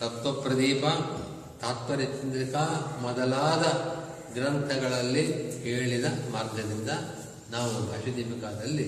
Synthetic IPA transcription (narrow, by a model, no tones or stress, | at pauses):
t̪ɐt̪ʋɐpɾɐd̪iːpɐ | t̪aːt̪pɐɾit̪ɐkɐmɔd̪ɐlaːd̪ɐ | ɡɾɐnt̪ʰɐɡɐɭɐlːiheːɭid̪ɐmaːɾɡɐd̪ind̪ɐ | naːʋuɦɐːʃɐd̪imikaːd̪ɐlːi